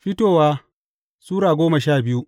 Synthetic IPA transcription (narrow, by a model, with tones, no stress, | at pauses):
ɸɪ˦toː˦˨waː˦ | suː˦ɽaː˨ɡʷoː˦mɐ˨ʃaː˦˨bɪ˦ju˦ʔ